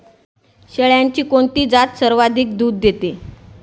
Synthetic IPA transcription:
ɕeɭjaɲt͡ɕiːkoɳt̪iːd͡zat̪səɾʋad̪ʱik̚d̪uːd̪ːet̪e

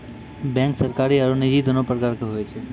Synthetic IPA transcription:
bɛ̃ŋksəɾkaɾiaɾonid͡ʒid̪ʱənopɾəkaɾkɦojt͡ʃʰe

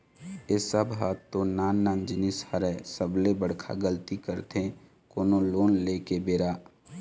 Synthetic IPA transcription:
esəbɦaːt̪ːonaːnːãːnd͡ʒnisaɾɛsəblebəɽkʰa̰ɡəlt̪ikəɾt̪ẽ | koːnoloːnleːkebeːɾaː

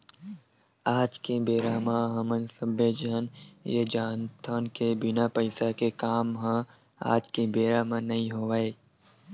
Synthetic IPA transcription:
aːd͡ʒkebeːɾaːmãɦɐmənsəbed͡ʒanjed͡ʒaːnt̪ʰaːnkebɪnapəɪsakekaːmɦã | a̰ːd͡ʒkebeːɾaːmãnɐɦĩɦoːʋaeː

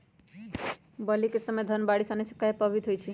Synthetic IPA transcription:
bəlikesəmed̪ʱənbaɽisanɛsə̥kːaepəbʱit̪ɦojt͡ʃʰi

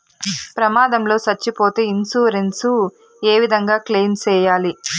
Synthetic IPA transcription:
pɾɐmaːd̪ɐmlo̞ːsɐt͡ʃːipo̞ːt̪eːinsuːɾensu | eːʋid̪ʱɐŋɡaːkleːnt͡ʃɛːjaːli

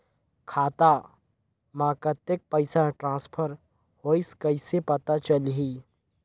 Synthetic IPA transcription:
kʰaːt̪a | mãːkət̪ek̚pəɪsaʈɾãːspʰəɾ | hoːɪskɐɪsepɐt̪at͡ʃəlɦi

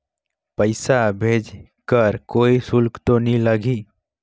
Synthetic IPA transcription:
pəɪsabʱeːd͡ʒ | kəɾkoːisʊlkt̪onĩləɡi

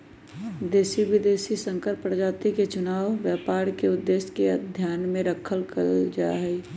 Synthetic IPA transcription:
d̪eːsibɪd̪eːsisə̃ŋkəɾpɾd͡ʒaːt̪iket͡ʃʊnaːwʋjaːpaːɾkeʊd̪ːeːskeəd̪ʱjaːnmẽɾəkʰəlkə̰ld͡ʒa̰ɦɛi

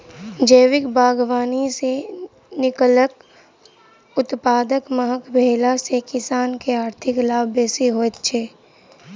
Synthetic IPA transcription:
d͡ʒəːʋɪkbʱaːɡʋaːnise | nɪkələk | ʊt̪paːd̪əkməɦəkbʱeːlasekɪsaːnkeaːɾt̪ʰɪklaːbeːsiɦoːt̪t͡ʃʰeː

